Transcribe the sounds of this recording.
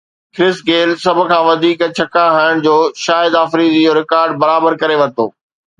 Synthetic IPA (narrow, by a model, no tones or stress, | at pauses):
kɾɪsɡeːlsɐbʱʊ̆kʰãːʋɐd̪ʱiːkt͡ɕʰɐkaɦaːɪəɽ̃d͡ʑoːʃaːjɪd̪aːfɾiːd̪id͡ʑoːɾɪkaːɾɖbɐɾaːbəɾkɐɾeʋɐt̪o̰ː